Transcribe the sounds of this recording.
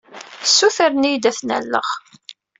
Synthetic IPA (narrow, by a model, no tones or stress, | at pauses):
sːuθəɾnijd̪æθnæ̰lːə̰ʁ